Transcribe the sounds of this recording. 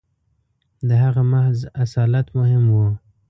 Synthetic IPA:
d̪əɦaɣamahzasɑlat̪mʊhɪmwu

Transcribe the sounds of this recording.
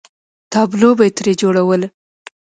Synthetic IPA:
t̪ɑblobejt̪ɾed͡ʒoɽawəl

